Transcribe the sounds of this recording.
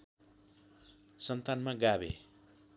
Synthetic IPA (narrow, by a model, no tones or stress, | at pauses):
sʌnt̪anmaɡabḛ